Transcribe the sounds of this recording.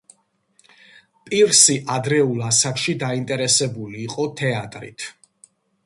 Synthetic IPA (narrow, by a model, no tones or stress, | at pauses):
pʼiɾsiʔad̪ɾɛulˠasakʃid̪aint̪ʼɛɾɛsɛbuliːqʼɔt̪ʰɛat̪ʼɾḭt̪ʰ